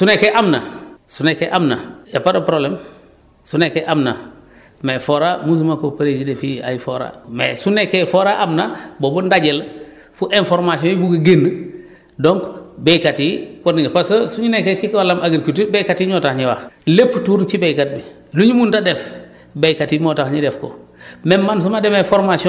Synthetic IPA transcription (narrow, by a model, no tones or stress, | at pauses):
sunekeʔamna̰sunekːeʔamna̰japadopɾoblem | sunekeʔamna | mefoɾamusumakopaɾesidefia̰jfoɾa̰mḛsunekːefoɾaʔamnabobundaɟel | fuʔenfɔɾmasiõjibuɡəɡenː | doŋkbekatiwɔniŋpasosuɲinekːet͡ʃikolamʔaɡiɾkutibekatiɲɔtaxɲiwaxlepːtuːɾt͡ʃibekat̚bi | luɲumundadɛf | bejkatimotaxɲidɛfko̰memːans̬umademefoɾmasiɔ̃